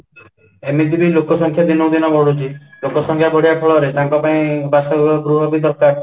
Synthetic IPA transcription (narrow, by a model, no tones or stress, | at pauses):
emid̪ibilokɔsɔŋkʰjad̪inɔwd̪inɔbʱɔɽut͡ʃʰilokɔsɔŋkʰjabɔɽijapʰɔɭɔɾet̪aŋkɔpaĩbasɔbɔɡɾuɦɔbid̪ɔɾkaɾ